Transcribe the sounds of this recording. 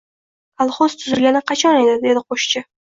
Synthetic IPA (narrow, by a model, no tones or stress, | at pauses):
alˠχoz̥t̪ʰʊzɪlɡʲanɪqʰɑt͡ʃʰɒne̞d̪ɪd̪e̞d̪ɪqʰoʃt͡ʃɪ